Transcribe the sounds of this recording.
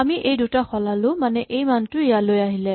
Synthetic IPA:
amiʔejdutaxɔlalʊmanɛʔejmantʊijalojaɦilɛ

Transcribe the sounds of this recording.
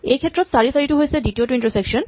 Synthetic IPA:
ejkʰet̪ːɾot̪saɾisaɾiʈuɦojt͡ɕʰeɖiʈioʈuiɳʈosekʃon

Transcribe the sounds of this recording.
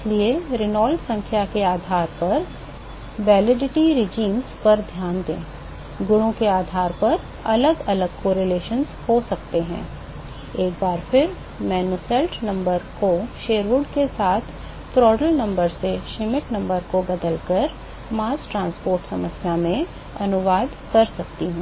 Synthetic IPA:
ɪslieɾɪnɔːlsɐ̃ŋkʰjakeaːd̪ʱaːɾpɐɾ | ʋɛːlɪɖɪʈiɾɪd͡ʒiːmzpɐɾd̪ʱjaːnd̪ḛ̃ː | ɡʊɽõkeaːd̪ʱaːɾpɐɾ | ɐləɡɐləɡ̚koːɾeleːʃənzhosɐk̚t̪eɦɛ̰̃ː | eːk̚baːɾpʰɪɾ | mɛːnusɛlʈnɐ̃mbəɾkoʃeːɾʋʊɖkesaːt̪ʰ | t̪ɾɔːɖəlnɐ̃mbəɾseʃɪmɪʈnɐ̃mbəɾkobɐd̪əlkɐɾ | maːsʈɾãːnspoːɾʈsɐməsjamẽ | ɐnʊʋaːd̪kɐɾsɐkt̪iɦɛ̃ː

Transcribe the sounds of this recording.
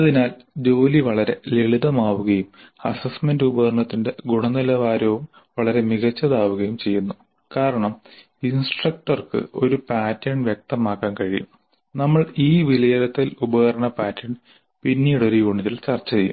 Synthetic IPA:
ɐðinaːl | d͡ʑo̞ːliʋɐɭɐɾe̞leɭiðɐmaːʋuɣɐjumɐsɐsmendubɐɣrɐɳɐt̪ːinde̞ɡuɳɐnilɐʋaːɾɐʋum | ʋɐɭɐɾe̞miɣɐt͡ɕːɐðaːʋuɣɐjumt͡ɕe̞jːunːu | kaːɾɐɳɐm | insʈrɐk̚ʈɐrkɨ̰o̞̰ɾupaːtːɐɳʋjek̚t̪ɐmaːkːaːnkɐɻijṵm | nɐmːɐɭiːʋilɐjɐɾɐt̪ːilubɐɣɐrɐɳɐpaːtːɐɳ | pinːiːɽo̞ɾujuːɳiðilt͡ɕɐrt͡ɕːɐejum

